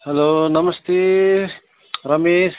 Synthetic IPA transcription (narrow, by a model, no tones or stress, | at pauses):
hɛloːnɐmɐst̪eː | ɾɐmeːs